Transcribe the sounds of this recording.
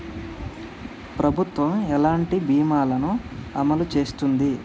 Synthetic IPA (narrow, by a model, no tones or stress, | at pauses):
pɾɐbʱut̪ʋɐmɛlaːɳʈibiːmaːlɐnuɐmɐlut͡ʃe̞ːst̪und̪i